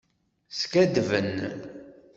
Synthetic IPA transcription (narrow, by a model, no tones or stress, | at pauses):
skæd̪vən